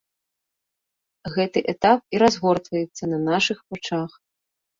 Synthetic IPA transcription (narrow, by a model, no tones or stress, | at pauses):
ɣɛt̪ɨʔɛt̪ap̚iɾazɣɔrt̪vɐjɛt̪sːɐnɐnaʂɨxpɔt͡ʂax